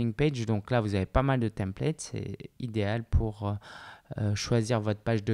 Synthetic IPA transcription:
iŋped͡ʒd̪ɔ̃klavuzavepamald̪ət̪ɛ̃plɛt̪sɛ̰id̪ealpʰuʁø | ʃwaziʁvɔt̪χpaʒd̪ə

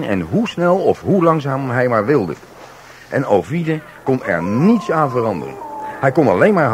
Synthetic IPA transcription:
nɛ̰nɦusnɛlˠɔfɦulɑŋzaːmɦɛjmaːɹʋɪlˠdə̰ | ʔɛnowvidə | kɔnɛ̰ɹnitsãːnvərɑndə̰rə̰nhɛjkɔnɑlejnmaːɹ

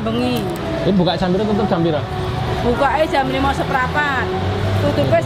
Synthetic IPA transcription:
bəŋi | ebukaʔt͡ʃambiɾat̪ut̪ʊp̚t͡ʃambiɾa | b̥ukaʔe̥d͡ʒ̥amblimɔsəpɾapat̪̚ | t̪ut̪ʊpe

